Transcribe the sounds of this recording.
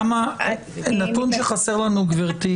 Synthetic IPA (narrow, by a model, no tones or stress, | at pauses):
ma | nat̪unʃeχasɛʁlanuɡviʁt̪i